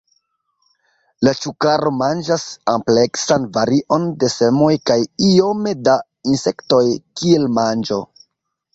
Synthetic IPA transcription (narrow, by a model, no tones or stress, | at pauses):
lat͡ʃukaɾo̞mand͡ʒasample̞ksanvaɾiʔo̞nde̞se̞mo̞jkajio̞me̞da | inse̞kto̞jkie̞lmand͡ʒo̞